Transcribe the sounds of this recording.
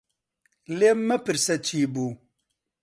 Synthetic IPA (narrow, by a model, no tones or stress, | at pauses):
lemːɐpɨɾsɐt͡ʃiːbu